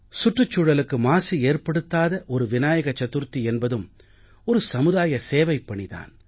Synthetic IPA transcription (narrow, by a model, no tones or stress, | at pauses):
sʊʈrɯt͡ʃːuːɽɐlɯkːɯmaːsieːrpɐɽɯt̪ːaːðɐʔɔɾɯʋɪnaːjɐɣɐt͡ʃːɐt̪ːɯɾt̪ːiɛnbɐðɯm | ɔɾɯsɐmɯðaːjɐseːʋɐɪpːɐɳɪða̰ːn